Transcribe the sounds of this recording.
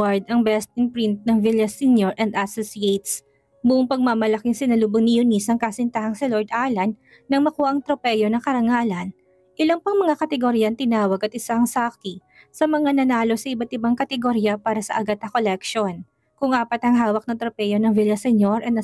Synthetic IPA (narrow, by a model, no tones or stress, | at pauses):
aɹd̪ɐŋbɛst̪ɪnpɾint̪̚nɐŋviljɐsinjoɹʔɛnd̪ɐsosiejt̪s | bʊʔʊŋpɐɡ̚mamɐlɐkiŋsɪnɐluboŋnɪjunisɐŋkasɪnt̪ahɐŋsɪloɹd̪ʔaːlɐnː | ɐŋmɐkuːhɐʔɐŋt̪ɾopɛjo̞nɐŋkɐɾɐŋaːlɐn | ʔɪlɐŋpɐŋmɐŋakɐt̪ɛɡoɾijɐɐnt̪ɪnaːwɐɡɐt̪ɪsaɐŋsaki | sɐmɐŋanɐnaːlo̞sɐʔɪbɐt̪ɪbaŋkɐt̪ɛɡoɾijɐpaːɾɐsɐ̰ʔɐɡat̪ːɐkolɛkʃon | kʊŋʔaːpɐt̪hɐŋɦaːwɐk̚nɐt̪ɾopɛjo̞nɐŋvilɐsɛnjoɾʔɐnɐ